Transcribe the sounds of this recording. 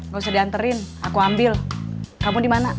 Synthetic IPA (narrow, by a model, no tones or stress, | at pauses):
ŋausadiant̪əɾɪn | akuambɪlkamudimana